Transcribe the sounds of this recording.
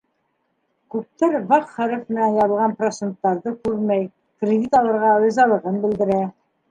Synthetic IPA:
kʉp̚t̪æɾvɑqχæɾɘfmɘ̆nænjɑβɤ̆lˠʁɑnprot̪sent̪ːɑɾðɤkʉɾmæj | krʲɪd̪ʲit̪ɑlˠɤ̆ɾʁɑɤ̆zɑlˠɤ̆ʁɤnbɘ̆ld̪ɘ̆ɾæ

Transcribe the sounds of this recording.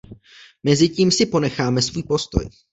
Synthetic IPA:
mɛzɪciːmsɪpo̞nɛxaːmɛsvuːjpo̞st̪o̰j

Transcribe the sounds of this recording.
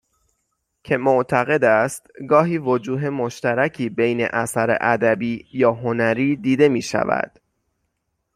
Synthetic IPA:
cʰe̞moʔt̪ʰæɣe̞d̪æst̪ɡɒːɦiːvod͡ʒuːɦe̞mo̞ʃt̪æɾæcʰiːbejnḛʔæsæɾḛʔæd̪æbiːjɒːɦonæɾiːd̪iːd̪e̞miːʃæ̰væ̰d̪̥

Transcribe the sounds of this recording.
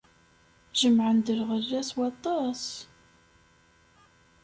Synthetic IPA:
ʒəmʕənd̪əɾʁərːæswɑt̪ˤːɑs

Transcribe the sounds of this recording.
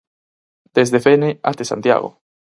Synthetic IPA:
d̪̥ezðefenea̰t̪esa̰nt̪ja̰ɣo̰

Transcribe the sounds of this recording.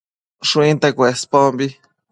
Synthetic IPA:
ʃũĩnt̪ekʷespombi

